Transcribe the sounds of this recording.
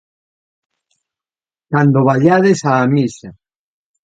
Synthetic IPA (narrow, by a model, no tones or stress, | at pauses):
kand̪oβaʎaðesaːmisa